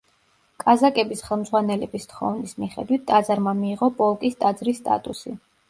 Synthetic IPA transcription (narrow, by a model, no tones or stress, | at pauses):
kʼazakʼɛbisχɛlˠmd̪zʁwanɛlɛbist̪χɔ̰vnismiχɛ̰d̪wit̪̚ʰt̪ʼad̪zaɾmamiːʁɔpʼɔlˠkʼist̪ʼad̪zɾisːt̪ʼa̰t̪ʼusi